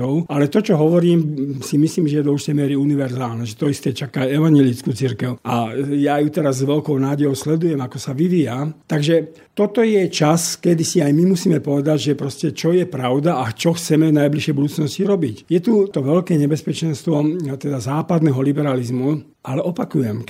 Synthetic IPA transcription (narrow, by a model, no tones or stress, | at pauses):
ɔʊalɛt̪ɔt͡ʃɔɦɔʋɔɾiːmsimisliːmʒɛjɛd̪ɔuʒit̪ɛjmɪɛɾiuniʋɛɾzaːlnɛʒɛt̪ɔist̪ɛt͡ʃakaɛʋaɲjɛlit͡skuːt͡siɾkɛʊʔajajut̪ɛɾazːʋɛlkɔʊnaːɟɛjɔʊslɛd̪ujɛmakɔsaʋiʋijat̪aɡʒɛ | t̪ɔt̪ɔjɛt͡ʃaskɛd̪isiajmimusiːmɛpɔʋɛd̪aɟʒɛpɾɔscɛt͡ʃɔjɛpɾaʊd̪aʔat͡ʃɔxt͡sɛmɛvnajbliʃjɛjbud̪uːt͡snɔsciɾɔbicjɛt̪ut̪ɔʋɛlkɛːɲɛbɛspɛt͡ʃɛnst̪ʋɔt̪ɛd̪azaːpad̪nɛɦɔlibɛɾalizmu | ʔalɛʔɔpakujɛm